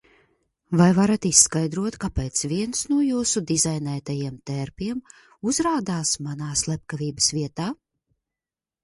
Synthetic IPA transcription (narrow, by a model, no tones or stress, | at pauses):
vajvaɾat̪isːkajd̪ɾuɔt̪kapɛːt̪sviɛnsnuɔjuːsud̪izajnɛːt̪ajiɛmt̪ɛɾpiɛm | uzɾaːd̪aːsmanaːslˠɛp̚kaviːbəsvʲiɛt̪aː